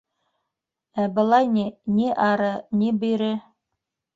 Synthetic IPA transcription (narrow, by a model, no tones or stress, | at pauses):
æbɤ̆lˠɑjniniʔɑɾɤnibɵ̆jɾɘ